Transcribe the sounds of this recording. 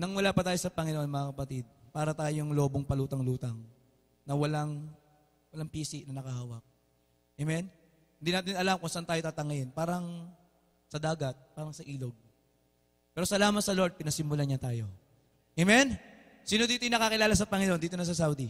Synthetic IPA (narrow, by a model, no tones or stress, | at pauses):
nɐŋwɐlaːpɐt̪aːjo̞sɐpɐŋɪnʔo̞nmɐŋakɐpɐt̪id̪̚paːɾɐt̪aːjoŋlo̞ːboŋpɐluːt̪ɐŋluːt̪ɐŋ | nɐwɐlaŋ | wɐlaŋpiːsɪʔnɐnɐkɐhaːwɐk̚ | ʔɛmɛn | hɪnd̪iːnaːt̪ɪnɐlamkʊnsɐʔant̪aːjo̞t̪aːt̪ɐŋɐjɪnpaːɾɐŋ | sɐd̪aːɡɐt̪̚paːɾɐŋsɐʔiːlo̞ɡ̚ | pɛːɾo̞sɐlaːmɐt̪sɐlo̞ɾd̪̚pɪnɐsɪmːʊlaɲɐt̪aːjo̞ | ʔɛmɛn | siːnod̪iːt̪ojonɐkakɪlaːlɐsɐpɐŋɪnʔond̪iːt̪onɐs̬ɐsawd̪i